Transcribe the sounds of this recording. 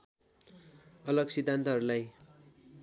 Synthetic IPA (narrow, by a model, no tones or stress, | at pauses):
ʌlʌɡsid̪ʱːant̪ʌɦʌɾulaj